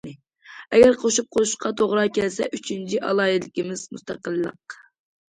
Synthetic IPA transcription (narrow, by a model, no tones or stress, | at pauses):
ɪ | ɛɡʲɛɾqʰoʃup̚qʰouʃqʰɑt̪ʰoʁɾɑkʲɛlsɛʔyt͡ʃʰint͡ʃʰiʔɑlˠɑːjɪlɪkʲimɪz̥must̪ʰɑqəlˠːə̰q